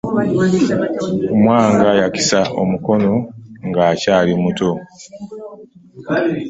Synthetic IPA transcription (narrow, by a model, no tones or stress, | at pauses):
mwaːŋɡajaki̥saʔo̰muko̞no̞ŋɡaːcaːlimuto̞